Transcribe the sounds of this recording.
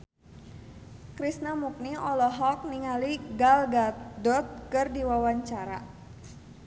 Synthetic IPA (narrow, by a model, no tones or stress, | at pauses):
kɾisnamuk̚niɔlɔɦɔk̚niŋaliɡalɡadɔt̪̚kɨrdiwawaɲt͡ʃaɾa̰